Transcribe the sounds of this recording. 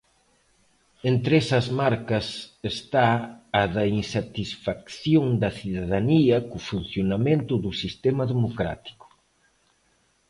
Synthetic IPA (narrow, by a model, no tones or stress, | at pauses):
ent̪ɾesɐzmaɾkɐsest̪aːðɐinsat̪isfakθjoŋd̪ɐθiðaðaniɐkʊfun̟θjonamẽnt̪ʊðusist̪emɐðemokɾa̰t̪i̥kʊ̥